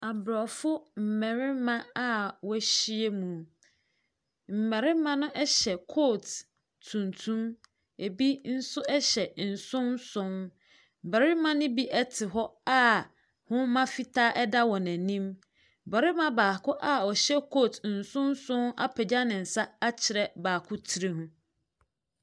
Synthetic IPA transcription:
a˨bɾɔ˨fʊ˦m̩˨mɛ˨ɾɪ˦mã˦a˦wɔ˦æ˦ɕi˦e˦mũ˨ | m̩˨mæ̃˨ɾɪ˦mã˦nʊ̃˦ʔɛ˦ɕɛ˨kʰoː˦˨t | tʰũ˨ntʰũ˦m | e˨bi˦n̩˦sʊ˦ʔɛ˦ɕɛ˨n̩˨sʊ̃˦nsʊ̃˦n | bæ˨ɾɪ˦mã˦nʊ̃˦bi˦ʔɛ˦tʰɪ˨ɦɔ˦a˦ | hʊ̃˦mã˦fi˦tʰaː˦ʔɛ˦da˦wɔ˨næ̃˨nĩ˦m˨ | bɛ˨ɾɪ˦mã˦baː˨kʰʊ˦ʔa˦ɔ˨ɕɛ˦kʰoː˦˨tn̩˨sʊ̃˦n˦sʊ̃˦na̰˦pʰɛ˨d͡ʑa˦nɪ̃˨n̩˨sa˦a˦t͡ɕʰɪ˨ɾɛ˨baː˨kʰʊ˦tʰi˨ɾe˦ɦũ˦

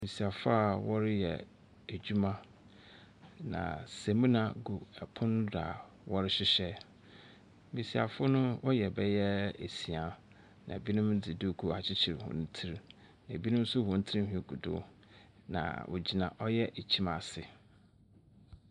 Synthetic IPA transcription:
bi˨si˨a˨fʊ˦a˦˨wɔ˦ɾɪ˦jɛ̰˨ | æ˨d͡ʑu˦mã˦ | nã̰˨se˨mĩ˦nã˨ɡu˨ɛ˨pʰʊ̃˦n˦da̰˨ | wɔ˦ɾɪ˦ɕɪ˦ɕɛ˦ | mi˨si˨a̰˨fʊ˦nʊ̃˦wɔ˦jɛ˨bɛ˦jɛ˦ḛ˨si˨a˨ | nã̰˨bi˦nʊ̃˦mdɪ˨du˦˨kʰu˦a˨t͡ɕʰɪ˦t͡ɕʰɪ˨ɾhʊ̰̃˨n̩˦tʰi˦ɾ | nã˨bi˦nʊ̃˦m̩˦sʊ˦hʊ̃˨n̩˦tʰi˦i˦ɦᶣĩ˦ɡu˨dʊ̰˦ | nã̰˨wʔo̰˨d͡ʑi˨nã̰˨ʔɔ˦jɛ˦ʔe˨t͡ɕʰi˦ma˨sɪ˨

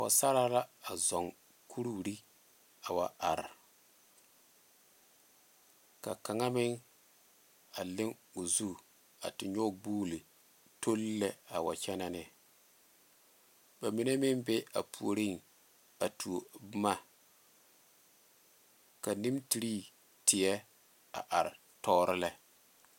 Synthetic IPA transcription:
wa̰˨sa˦ɾa˦la˦a˨zɔ˨ŋ | kʰu˦ɾu˦˨ɾi˦ | a˨wa˨a˨ɾ | ka̰˨ka˨ŋa˦mɪ˦ŋ | a˨lɪ˦ŋʊ˨zu˦ | a̰˨tɪ˨ɲɔ˦ɡ͡buː˦li˨ | to˦lːɛ˦a˨wa̰˨t͡ʃɛ˦na˨nɪ˨ | ba˨mi˦ne˦mɪ˦nbɛ˦a̰˨pʰu˨o˨ɾi˦ŋ | a˨tʰu˨bma˦ | ka˨ni˦mti˨ɾi˦ | tɪ˨jɛ˦ | a̰˨ʔa˨ɾ | tɔː˦ɾɪ˦lɛ˦

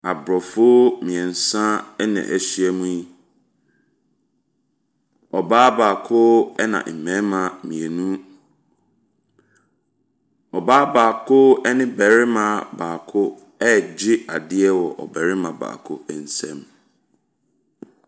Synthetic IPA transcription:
a˨bɾɔ˨fʊ˦mĩ˨ɛ˨n̩˨sã˦nɛ̰̃˨ʔæ˨ɕi˦ɛ˨mũ˦ji˦ | ɔ˨baː˦baː˨kʰʊ˦ɛ˦nã̰˨ʔ̩˨mɛ̃˦mã˨mĩ˨ɛ˨nũ˦ | ɔ˨baː˦baː˨kʰʊ˦ɛ˦nɪ̃˦bɛ˨ɾɪ˦mã˦baː˨kʰʊ˦ | ɛ˦d͡ʑɪ˦a˨dɪ˦ɛ˦wɔ˨ʔɔ̰˨bæ˨ɾɪ˦mã˨ba̰ː˨kʰʊ˦ɛ˨n̩˦sɛ̰̃˦m

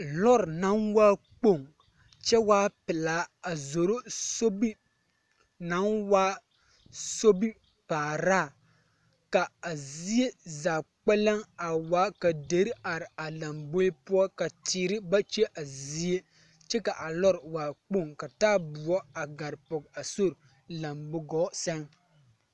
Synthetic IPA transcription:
lɔ˦ɾna˨˦nwaː˦ | k͡po˦˨ŋ | t͡ʃɛ˦waː˦pɪ˨la˨˦a˨zo˨ɾo˦so˦bi˦ | na˨˦nwaː˦ | so˦bi˦ | paː˨ɾaː˦˨ | ka˨a˨zi˦je˦zaː˨k͡pɛ˦lɛ˦ŋa˨waː˨˦ka˨de˨˦ɾa˨ɾɪ˨a˨la˨mbʊ˦ɪ˦pʊ˦ɔ˦ka˨tiː˨ɾɪ˦ba˦t͡ʃɛ˦ʔa˨zi˦e˦ | t͡ʃɛ˦ka˨ʔa˨lɔ˦ɾwaː˨k͡po˦˨ŋka˨taː˦bʊ˨ɔ˦a˨ɡa˨ɾpʊ˨ɡa˨so˦ɾ | la˨mbʊ˦ɡɔ˦sɛ˦ŋ

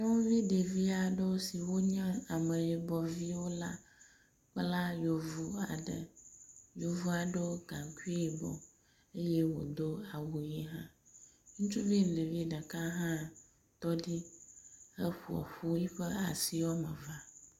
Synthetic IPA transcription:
ne˦wũ˦vi˦ɖe˨vi˦a˨ɖe˦wo˦si˨wo˦ɲã˦a˨mə˨je˨bɔ˨vi˦wo˦la˦ | k͡pla˦jo˨vu˦a̰˨ɖə̰˨jo˨vu˦a˨ɖo˦ɡã˨ŋku˦i˦i˨bɔ̰˨ | e˦je˦wo̰˨d̪o˦a˨wu˨ji˦ɦã˦ | ŋũ˦t͡ʃu˦vi˦nẽ˨vi˦ɖa˨ka˦ɦã˦ | t̪ɔ˦ɖi˦ | ə˦ɸu˨ɔ̰˨ɸu˦ji˦ɸə˦a˨si˦wo˦mə˨va˦˨

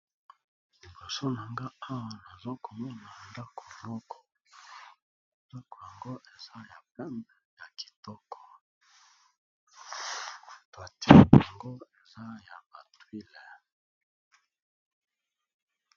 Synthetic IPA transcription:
lli˨bo˨so˦na˨ŋɡa˦a˦wa˨na˨zo˦ko˨mɔ˦na˨nda˦kʰo˨mɔ˦kʰɔ̥˨ | tɔ˦kɔ˨ja˨ŋɡo˦ʔe˨za˦ja˨pɛ˦mbɛ˦ja˨ki̥˨tɔ˦kʰɔ̥˨ | twa˨ti˦˨ja˨ŋɡo˦e˨za˦ja˨ba˨twi˦lɛ˨

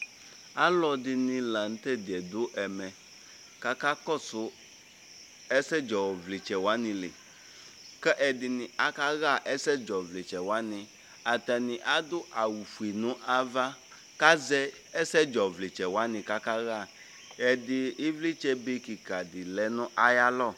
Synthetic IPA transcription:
a˦lɔ˨dɪ˨nɪ̃˨lã˨n̩˦t̪ɛ˦d̪ɪ˨ɛ˨d̪ʊ˦ʔɛ˨mɛ̃˨ | ka˦ka˦kɔ˦˨sʊ˦ | ɛ˦sɛ˦d͡ʒɔ˨vlɪ˨t͡ʃɛ˨wa˦nɪ̃˨lɪ˨ | kɛ˦ʔɛ˨dɪ˨nɪ̃˨a˨ka˦ɣa˦˨ʔɛ˦sɛ˦d͡ʒɔ˨vlɪ˨t͡ʃɛ˨wa˦nɪ̃˨ | a˨t̪a˨nɪ̃˨ʔa˦d̪ʊ˦ʔa˨wu˨fu˨i˨nʊ̃˦ʔa˦va˦ | ka˦zɛ˦ | ɛ˦sɛ˦d͡ʒɔ˨vlɪ˨t͡ʃɛ˨wa˦nɪ̃˨ka˦ka˦ɣa˦˨ | ɛ˨dɪ˨ɪ˦vli˦t͡ʃɛ˦be˦ki˨ka˨dɪ˨lɛ˦nʊ̃˦ʔa˦ja˦lɔ˦˨

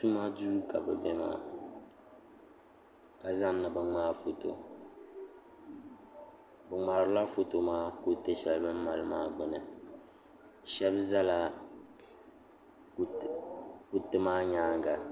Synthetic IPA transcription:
tu˦ma˦duː˦ka˨bɨ̰˨bɛ˦ma̰ː˨ | ka˨za˦n˦nɨ˨bɨ˨ŋ͡maː˦fo˨to̰˨ | bɨ˨ŋ͡ma˨ɾɨ˦la˦fo˨to˨maː˦ko˦tɛ˦ʃɛ˦lbɨ˦m˦ma˦lɨ˦maː˦ɡ͡bɨ˨nɨ˨ | ʃɛ˦bza˦la˨ | k | ku˦tɨ˦maː˦ɲaː˦ŋɡa˨

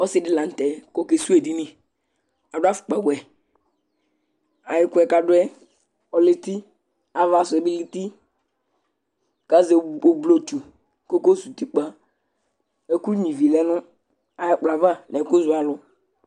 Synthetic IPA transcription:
ɔ˦sɪ˦dɪ˦lã˨n̩˨tɛ˨ko˦ke˨su˦e˨di˦nĩ˦ | a˨dʊ˦a˦fʊ̥˨k͡pa˨ɡwɛ˨ | a˨jɪ˦kʊ˦ɛ˨ka˨dʊ˦ɛ˦ | ɔ˨lɪ˦t̪i˦ | a˨va˨sʊ˨ɛ˨bɪ˦li˦t̪i˦ | ka˦ze˨o˨blo˦˨t͡ʃu˨ | ko˦ko˦su˨t̪i˦k͡pa˦ | e˨ku˦ɲĩ˨vi˨lɛ˦nʊ̃˦ | a˨jɛ˦k͡pla˨va˦nɛ˨kʊ˦zʊ˦a˨lʊ˨

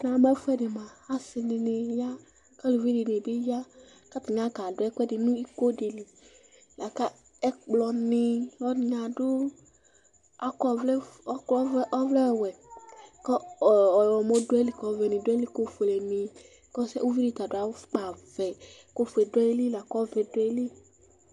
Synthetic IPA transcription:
na˨˦mɛ˦fɛ˦dɪ˨mã˨a˦sɪ˧nɪ˧nɪ˨ja˦ | ka˦lu˨vi˦di˨ni˨bi˦ja˦ | ka˦tɪ˨ɲã˦ka˨dʊ˦ɛ˦kɛ˦dɪ˨nũ˦i˦ko˦di˨li˨ | la˨ka˦ | ɛ˦k͡plɔ˨nɪ˧ɔ˦˨ɲa˨dʊ˦ | a˦kɔ˦vlɛ˦ɔ˦klɔ˦ʔɔ˦vlɛ˦˨wɛ˨kɔ˦˨wɔ˨mo˦dʊ˦ɛ˦li˦˨kɔ˨vɛ˨nĩ˨dʊ˦ɛ˦li˦ko˦fle˨mĩ˧ | kɔ˦sɛ̰˦u˦vi˦di˧ta˨dʊ˦a˨˦k͡pa˨vɛ˨ | ko˦fɛ˨dɛ˦li˦la˨kɔ˦vɛ˨dʊ˦ɛ˦li˦

